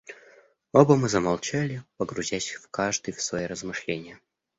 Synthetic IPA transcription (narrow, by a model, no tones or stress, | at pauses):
obəmɨzəmalˠt͡ɕalʲɪpəɡɾʊzʲæsʲfkaʐd̪ɨjfsvɐjiɾəzmɨʂlʲenʲɪjə